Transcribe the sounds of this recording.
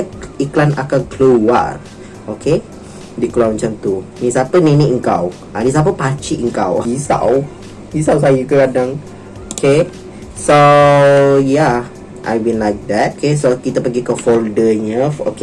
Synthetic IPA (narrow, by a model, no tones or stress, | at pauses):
kiklana̰kanklua̰r | okʰe | dikluamət͡ʃamt̪unisapəniniəŋkaw | ʔanis̬ap̬əpat͡ʃiʔəŋkawisa̰w | isaws̬ajuk̪uɡadaŋ | okʰe | so | ja | ʔa̰jbinlajk̚d̪ɛt̚okʰes̬okit̪əpəɡikəfoldəɲəfo̰ke